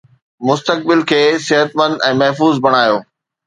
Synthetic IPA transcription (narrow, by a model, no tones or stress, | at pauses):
mʊst̪ək̚bɪlkʰeːsɪɦət̪mɐ̃nd̪ɛ̃ːmɐɦfuːzbɐɽ̃aːjoː